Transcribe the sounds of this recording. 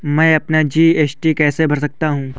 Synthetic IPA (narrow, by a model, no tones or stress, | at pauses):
mɛ̃ːɐpnad͡ʒiːeːsʈikɛːsebʱɐɾsɐk̚t̪aɦũː